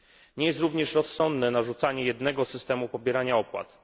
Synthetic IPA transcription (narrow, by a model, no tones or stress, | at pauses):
ɲɛjɛst̪ɾuvɲɛʂɾɔsːɔnd̪nɛnaʐut̪saɲɛjɛd̪nɛɡɔsɘst̪ɛmupɔbʲjɛɾaɲaɔpwa̰t̪